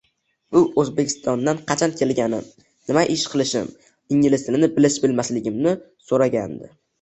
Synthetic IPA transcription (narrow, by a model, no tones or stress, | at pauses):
bʊʔɵzbe̞kʲʰɪ̥st̪ʰɒnd̪anqʰɑt͡ʃʰankʲʰe̞lɡʲanɪm | nɪmaʔɪʃqʰɨlˠɪʃɪ̰m | ɪŋɡʲɪlɪst̪ʰɪlɪnɪbɪlɪʃbɪlmaslɪɡʲɪmnɪ | soɾaɡʲa̰nd̪ɪ̰